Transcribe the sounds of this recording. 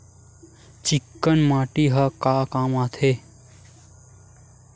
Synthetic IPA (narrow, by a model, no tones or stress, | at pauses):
t͡ʃikːənmaːʈiɦɐkaːkaːmaːt̪ʰe